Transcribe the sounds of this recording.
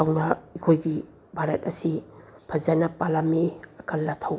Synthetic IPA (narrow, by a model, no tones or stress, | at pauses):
tʰawnɐikʰojɡi | bʱaɾɐt̚ɐsi | pʰɐzanɐpalameɐkʰɐlːɐtʰaw